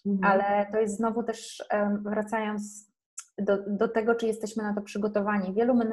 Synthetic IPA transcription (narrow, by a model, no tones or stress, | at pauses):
alɛt̪ɔjɛst̪znɔvut̪ɛʂvɾat̪sajɔnt̪s | d̪ɔd̪ɔt̪ɛɡɔt͡ʂɘjɛst̪ɛɕmɘnat̪̬ɔpʂɘɡɔt̪ɔvaɲivʲjɛlumɘn